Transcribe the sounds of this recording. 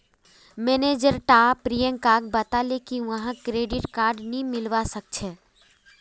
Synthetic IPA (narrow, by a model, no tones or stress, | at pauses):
meːneːd͡ʒəɾʈapɾijə̃ŋkaːɡ̚bət̪alekiʋəɦãkɾeːɖɪʈkaːɾɖnĩmɪlʋasək̚t͡ʃʰeː